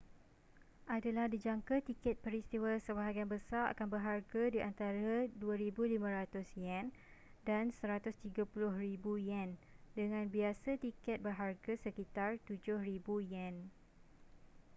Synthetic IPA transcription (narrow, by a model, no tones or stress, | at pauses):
ʔadalahdid͡ʒaŋkat̪ikɛt̪̚pəɾist̪iwasəbaɦaɡianbəsaɾa̰kanbərɦarɡadiʔant̪aɾaduaɾibulimãɾat̪ʊsjɛn | dansəɾat̪ʊst̪iɡapulʊhribujɛndəŋãnbiasat̪ikɛt̪̚bərɦarɡasəkit̪art̪ud͡ʒʊhribujɛn